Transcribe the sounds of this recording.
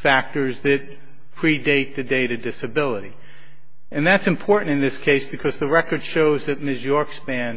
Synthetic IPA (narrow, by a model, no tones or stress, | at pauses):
fæk̚tə˞zðɨt̚ | pʰɹ̥ideɪt̪̚ðɨdeɪɾɨdɪsɨbɪlˠəɾi | ɨ̃nðætsɨ̃mpʰɔɹʔn̩tɨ̃nðɪskʰeɪsb̥ɨkʰʌzðɨɹɛkə˞d̥ʃoʊzðɨt̚mɪzjɔɹksb̥æ̃n